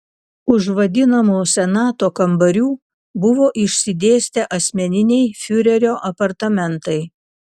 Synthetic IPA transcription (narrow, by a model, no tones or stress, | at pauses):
ʊʒʋɐd̪ʲɪnɐmuːsʲɛnɑːt̪oːkɐmbɐɾʲuː | bʊʋoːʔɪʃʲsʲɪd̪ʲeːsʲt̪ʲɛʔɐsʲmʲɛnʲɪnʲɛɪfʲʊɾʲɛɾʲoːʔɐpɐɾt̪ɐmʲɛnt̪ɐɪ